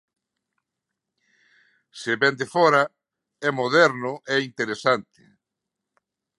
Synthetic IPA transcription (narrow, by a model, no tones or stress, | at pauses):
sɪβɛnd̪efɔɾa | ɛmoðɛɾnʊʔɛint̪eɾesant̪ɪ̥̰